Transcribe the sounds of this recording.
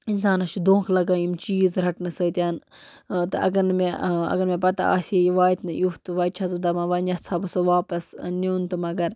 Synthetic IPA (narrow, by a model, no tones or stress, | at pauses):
insaːnɐt͡ʃud̪õːkʰlɐɡaːjimt͡ʃiːzɾɐʈnɨsɐːt̪ʲjaːn | t̪ɨɐ̰ɡɐɾnɨmeɐ̰ɡɐɾmẽpɐt̪a̰a̰ːseiʋaːjt̪nɨjut̪ɨʋaːjt̪̚t͡ʃʰɐzud̪ɐmãːʋɐnɐɐbɨsoʋaːpɐsnuːnt̪ɨmɐɡɐɾ